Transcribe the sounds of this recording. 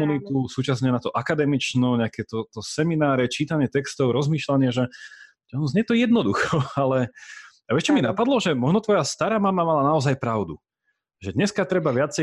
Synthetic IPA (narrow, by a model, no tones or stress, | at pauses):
unit̪usuːt͡ʃasɲɛnat̪ɔʔakad̪ɛmit͡ʃnɔɲɛakɛt̪ɔt̪ɔsɛminaːɾɛt͡ʃiːt̪aɲɪɛt̪ɛkst̪ɔʊɾɔzmiːʃlaɲɪaʒɛ | tɛɔnzɲɛjɛt̪ɔjɛd̪nɔd̪uxɔalɛ | aʋɛʃt͡ʃɔminapad̪lɔʒɛmɔʒnɔt̪ʋɔjast̪aɾaːmamamalanaɔzajpɾaʊd̪u | ʒɛd̪ɲɛskat̪ɾɛbaʋɪat͡sɛ